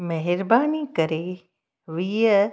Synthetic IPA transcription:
mɐɦɪɾbaːniːkəɾe | ʋiə

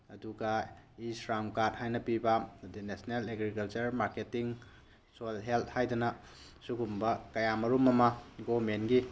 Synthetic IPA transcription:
ɐduɡɐisɾamkat̚hajnɐpibɐdinesneleɡɾikɐlt͡ʃɐɾmaɾketiŋ | solɦelt̚ʰhajdɐnɐ | suɡumbɐkɐjamɐɾumɐmɐɡomenɡi

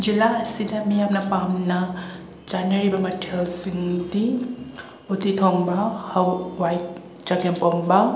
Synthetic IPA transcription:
d͡ʒilaɐsidɐmijamnɐpamnɐ | t͡ʃanɐɾibɐmɐtʰelsiŋdi | utitʰɔŋbɐhɐwwajt̚ | t͡ʃakempɔŋbɐ

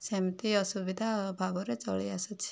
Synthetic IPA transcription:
semt̪iʌsubid̪ʱabʱaɡɔɾet͡sɔɭiasɔt͡ʃʰi̥

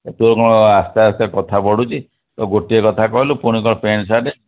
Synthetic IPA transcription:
et̪uɾukɔmast̪aast̪akɔt̪ʰabɔɽut͡ʃʰi | t̪ɔɡoʈiekɔt̪ʰakɔɦilupuɽ̃ikɔɽɔpʰensaɖe

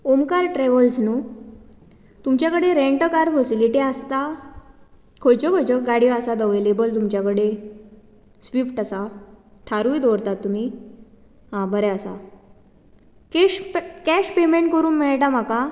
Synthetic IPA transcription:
omkaɾʈɾeʋəlsnuː | t̪umt͡ɕjakəɽeɾeɳʈəkaɾfəsiliʈiast̪a | kʰojt͡ɕəbʱəjd͡ʑəɡaɽijɔasat̪əʋelebəlt̪umt͡ɕjakəɽe | sʋifʈasat̪ʰaɾujd̪oɽt̪at̪ːum̤iː | ɦãbəɾɛasa̰ | kkɛɕpemeɳʈ̚kəɾuːnmeɭʈam̤aka

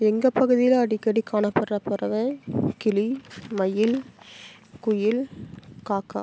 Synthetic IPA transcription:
ɛŋɡɐpːɐɣɯðɪjɪlɐɽɪkːɐɽikaːɳɐpːɐrɐpːɐɾɐʋɐkɪlimɐjɪl | kʊjɪlkaːkːa̰

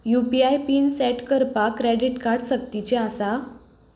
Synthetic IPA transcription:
jupiajpiːnsɛʈkəɾpakːɾeɖiʈkaɾɽsək̚t̪it͡ɕẽasa

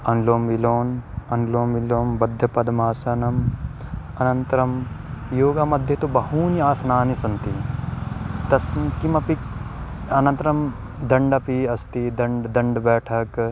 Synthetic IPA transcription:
ɐnloːmʋiloːnɐnloːmʋiloːmbɐd̪ʱjɐpɐd̪ɐmaːsɐnɐm | ɐnɐnt̪ɾɐm | joːɡamɐd̪ʱjɐt̪ubɐɦuːniaːsnaːnisɐnt̪i | t̪ɐskimɐpik | ɐnɐ̃nt̪ɾɐm | d̪ɐɳɖɐpiɐst̪id̪ɐɳɖd̪ɐɳɖbɛːʈʰɐk

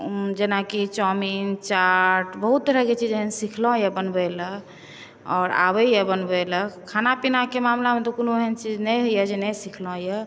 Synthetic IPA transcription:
d͡ʒenakit͡ʃɔmint͡ʃaʈbəɦut̪̚d̪əɾəket͡ʃid͡ʒənsikʰlɔ̃jəbənbɛlə | ɔ̰ːɾa̰bəjəbənbɛləkʰanapinakemamlamẽt̪ɔkonoeɦənt͡ʃid͡ʒnəjɦəjəd͡ʒenɛsikʰlɔ̃jə

